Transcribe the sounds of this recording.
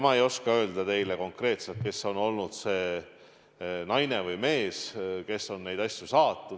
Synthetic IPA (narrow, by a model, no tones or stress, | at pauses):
mɑejo̞skɑø̞ːld̪ɑt̪e̞jle̞ko̞ŋkre̞ːt̪selt̪̚ke̞sːo̞no̞lnud̪̥se̞ː | nɑjnevɯjme̞ːske̞sːo̞nːe̞jd̪ɑsʲjusɑːt̪ːˑu